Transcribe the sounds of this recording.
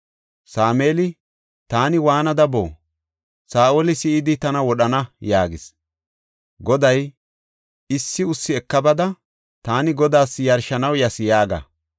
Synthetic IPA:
saːmeːlɪ | t̪aːnɪwaːnɐd̪ɐbo̰ː | saːʔoːlɪsɪʔɪd̪ɪt̪ɐnɐwɔɗɐnɐjaːɡɪs | ɡɔd̪ɐj | ɪsːɪʊsːɪɛkːɐbɐd̪ɐ | t̪aːnɪɡɔd̪aːsjɐɾʃɐnɐwjɐsɪjaːɡɐ̰

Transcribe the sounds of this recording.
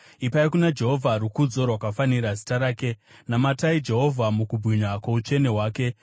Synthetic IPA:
ipaikunad͡ʒe̞ɦo̞vʱaɾukud͡zo̞rwakafaniɾazi̥taɾaːke̞namataid͡ʒe̞ɦo̞vʱamukubʱiɲakwaut͡ʂe̞ne̞ɦwaːke̞

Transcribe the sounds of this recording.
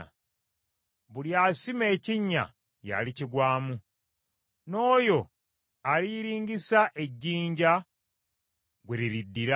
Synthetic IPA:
βuljaːsime̞ːciɲːa̰ | ja̰liciɡwaːmu | no̞ːjo̞ | aliɾiːŋɡisaʔe̞ɟːiːɲɟa | ɡwe̞ɾiɾidːiɾa

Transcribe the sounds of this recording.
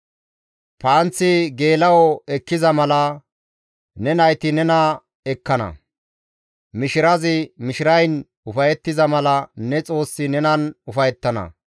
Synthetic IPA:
paːnt͡sːɪɡe̞ːlɐwɔɛkːɪzɐmɐlɐ | nɛnɐjt̪ɪnɛnɐ | ɛkːɐnɐ̰ | mɪʃɪɾɐzɪmɪʃɪɾɐjn | ʊfɐjɛt̪ːɪzɐmɐlɐnɛt͡sʼo̞ːsːɪnɛnɐnʊfɐjɛt̪ːɐnɐ̰

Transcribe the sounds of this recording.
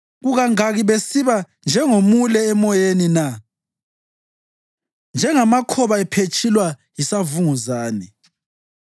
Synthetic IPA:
ɣuɣaŋaɣiβesiβa | nd͡ʒʱɛŋomulɛːmɔjenina | nd͡ʒʱɛŋamakʰɔβaɛpʰet͡ʃʼʰilwajisavuŋuzaːnɛ

